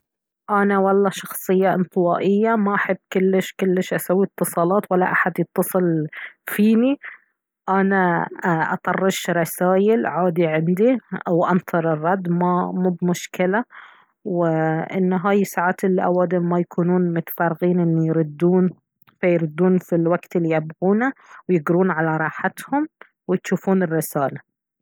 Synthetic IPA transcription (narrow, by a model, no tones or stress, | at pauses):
ʔanawɑlˤːɑʃɑxsˤɨjːaʔɪ̰nt̪ˤɨwɑːʔɪjːamaʔaħabːkʊlːɪʃkʊlːɪʃʔasawːit̪ːɨsˤɑːlɑːt̪walːa̰ʔaħad̪jɪt̪ːɑsˤɨlfiːni | ʔanaʔɑ̰t̪ˤɑrˤːɑʃɾˤɑsaːjɪlʕaːd̪iʕɪnd̪iʔawʔɑnt̪ˤʰɨɾˤɪrˤːɑd̪ːmamuːbmʊʃkɪla | wɪʔɪ̰nːɦaːjɪsaːʕaːt̪ʔɪlːiʔawaːd̪ɪmajakʰuːnuːnmʊt̪ḁfɑːɾˤɪɣiːnʔɪnːijɾʊd̪ːuːn | fajɾɪd̪ːuːnfilwaɡt̪ɪlːijabɣuːnawjɪɡɾuːnʕalaɾˤɑːħat̪hʊm | wɪjt̪ʃuːfuːnɪrːɪsaːla